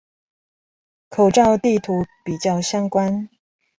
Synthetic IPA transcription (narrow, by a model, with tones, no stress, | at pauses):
kʰo˨˩ʊʈ͡ʂɑ˥˧ʊt̪i˥˨t̪ʰu˨˧˦pi˨˩t͡ɕjɑ˥˩ʊɕjɑ˥ŋkwa˦n